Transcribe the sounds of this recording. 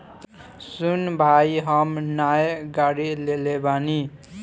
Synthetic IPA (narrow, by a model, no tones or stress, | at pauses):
sunbʱajɦʌmnajɡaɽilelebani